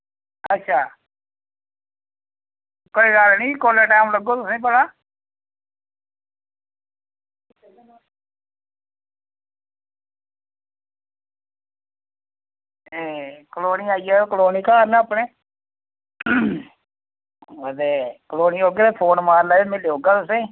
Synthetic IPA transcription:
ətːʃʰaː | koːiːɡalnĩːkoːlaːʈaːmləɡoːt̪ʊsĩːbəɽaː | eːkəloːniːaːiːaːokəloːniːkaːɾnãːəpɳẽː | ət̪eːkəloːniːɦoːɡeːt̪eːpʰoːnmaːɾlaemɪleːɦoːɡaːt̪ʊsẽː

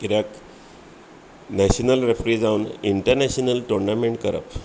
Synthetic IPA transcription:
kiɾjak | nɛɕənəlɾefɾiːd͡zauniɳʈəɾnɛɕnəlʈoɾnameɳʈkəɾə̰p

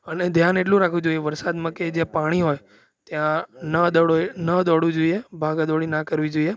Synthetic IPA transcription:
əned̪ʱjaneʈ̬lũɾakʰʋũd͡ʒoieʋəɾsad̪mãked͡ʒjãpaɽ̃iɦoj | t̪jãnəd̪ɔɽonəd̪ɔɽʋũd͡ʒoiebʱaɡad̪ɔɽinakəɾʋid͡ʒoie

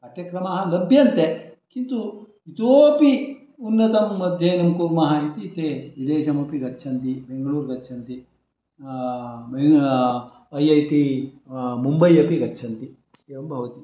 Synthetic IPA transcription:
ɐʈjɐkɾɐmɐɦɐlɐbʱjɐnt̪ekint̪u | it̪oːpi | unːɐt̪ɐmːɐd̪ʱjenɐmkuːɾmɐɦɐit̪it̪eid̪eːʃɐmɐpiɡɐtːt͡ʃʰɐnt̪ibeŋɡɐɭuːɾɡɐtːt͡ʃʰɐnt̪i | be | ɐjɐjt̪i | mumbɐjɐpiɡɐtːt͡ʃʰɐnt̪i | eʋɐmbʱɐʋɐt̪i

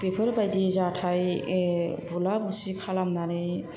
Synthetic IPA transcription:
pepʰeɾbajdizatʰaj | bulabusikʰalamnaɾɯj

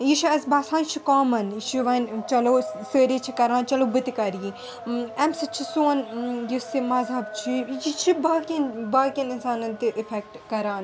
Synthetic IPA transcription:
jiʃʰiɐsbaːsãːnt͡ʃʰikaːmɐnʃʰiʋɐnt͡ʃɐloːsəːɾiːt͡ʃʰikɐɾaːnt͡ʃɐlobɨt̪ikɐɾjĩ | ɐmsɨt͡ʃʰisuːnjisimɐzɐbt͡ʃʰijit͡ʃʰibaːkʲinbaːkininsaːnɐnt̪ɨʔifʰɛk̚ʈkɐɾaːn

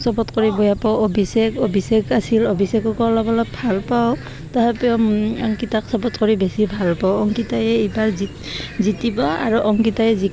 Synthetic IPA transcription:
sɔpɔtkɔɹibɔjapɔʔobisɛkobisekasilɔbisekɔkɔlɔbɔlɔbʱalpaw | taɦɛpɛɔŋkitaksɔpɔtkɔɹibesibʱalpawɔŋkitajɛibaɹzi | zitibɔa̰ɹuʔɔŋkitajɛzi

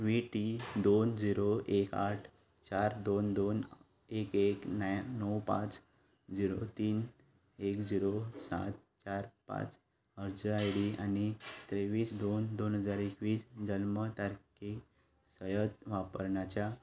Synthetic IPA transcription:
ʋiʈid̪ond͡ziɾoʔekaʈʰ | t͡ɕaɾd̪ond̪on | ekeknjnəwpã̰t͡s | d͡ziɾot̪iːn | ekd͡ziɾosa̰t̪̚ | t͡ɕaɾpã̰t͡s | əɾd͡zəajɽianit̪ɾeʋiːsd̪ond̪onɦəd͡zaɾekʋiːsd͡ʑəlmət̪aɾke | səjət̪ʋapə̰ɾɳat͡ɕja

